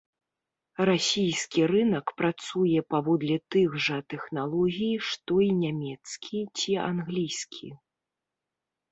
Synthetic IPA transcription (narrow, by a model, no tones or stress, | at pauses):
rasʲijskʲiɾɨnɐkpɾat̪sujɛpavɔd̪lʲɛt̪ɨɣʐɐt̪ɛxnalˠɔɣʲijʂt̪ɔinʲamʲɛt̪skʲʰit͡sʲia̰nɣlʲijskʲʰi